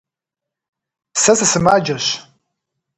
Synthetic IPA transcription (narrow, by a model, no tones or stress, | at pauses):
sɐsɐsɨmaːd͡ʒɐɕ